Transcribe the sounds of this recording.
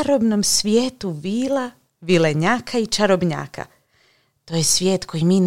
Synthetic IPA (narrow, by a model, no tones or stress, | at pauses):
ɾobnomsʋjeːt̪uʋiːla | ʋileɲaːkʰait͡ʃaɾobɲa̰ːkʰa̰ | t̪ojesʋʲjeːt̪kʰo̞jimiːn